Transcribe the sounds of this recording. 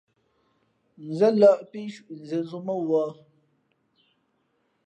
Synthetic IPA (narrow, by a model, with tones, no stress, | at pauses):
n̩˨zə˦la˦˨ʔpi˦ʃu˨ʔn̩˨ze˨zu˦mə˦wɔ˦